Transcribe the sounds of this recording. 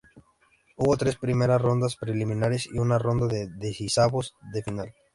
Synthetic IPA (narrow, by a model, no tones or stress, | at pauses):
uβo̞t̪ɾe̞spɾime̞ɾasro̞nd̪aspɾelimĩnaɾesḭunaro̞nd̪aðeðesisaβozðe̞final